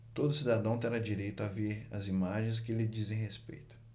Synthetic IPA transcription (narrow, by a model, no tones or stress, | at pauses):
t̪od̪ʊsid̪ad̪ɐ̃w̃t̪eɾad͡ʒiɾejt̪ʊaveɾɐ̰zimaʒẽj̃s̬kɪlɪd͡ʒizẽj̃ɦespḛjt̪ʊ̥